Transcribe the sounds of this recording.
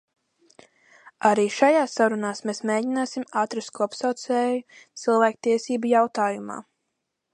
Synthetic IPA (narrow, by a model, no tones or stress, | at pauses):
aɾiːʃajaːsːaɾunaːsmesmeːɟinaːsimaːt̪ɾast̪kɔpsawt̪sɛːjut̪silˠvæːk̚t̪iɛsiːbujawt̪aːjuma̰ː